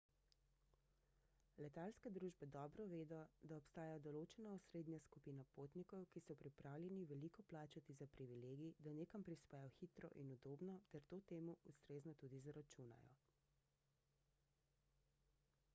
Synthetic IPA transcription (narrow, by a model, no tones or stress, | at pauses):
lɛt̪alskɛd̪ɾuːʒbɛd̪ɔːbɾɔʋeːd̪ɔd̪aɔpst̪aːjad̪ɔloːt͡ʃɛnaɔsɾeːd̪njaskupiːnapoːt̪nikɔwkisɔpɾipɾʔaːwlʲjɛniʋɛlikɔplaːt͡ʃat̪izapɾiʋileːɡid̪aneːkampɾispɛːjɔxit̪ɾɔ̰ʔinud̪oːbnɔt̪ɛɾt̪oːt̪eːmuust̪ɾeːznɔt̪uːd̪izaɾat͡ʃuna̰jɔ̰